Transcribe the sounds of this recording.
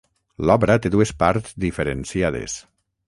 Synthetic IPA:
lɔβɾat̪eðuespaɾtzd̪ifeɾensiaðḛs

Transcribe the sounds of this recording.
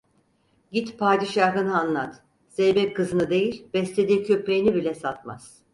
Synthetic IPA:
ɟit̪pʰaːd̪iʃaɦɯnɯanlˠat̪ | z̥ejbɛkʰɯzɯnɯd̪e̞jilʲbɛslʲed̪iːcʰø̞pɾejinibilʲɛsat̪ma̰z̥

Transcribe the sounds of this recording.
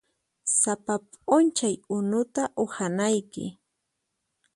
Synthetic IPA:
sapapʼʊnt͡ʃajʊnʊt̪aʔʊhanajkɪ̰

